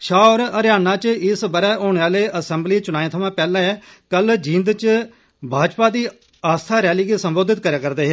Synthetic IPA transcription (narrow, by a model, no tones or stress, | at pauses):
ʃaːɾəɾjaːnãːt͡ʃɪsbəɾɛːʔoːɳ̃eːaːleːʔəsɛ̃mbliːt͡ʃʊnaːẽːt̪ʰəmãːpɛːlãːɛː | kəld͡ʒĩːnd̪t͡ʃ | bʱaːd͡ʒpaːd̪iː | aːst̪ʰaːɾɛːliːɡeːsəmboːd̪ɪt̪̚kəɾeãːkəɾd̪eːɦɛː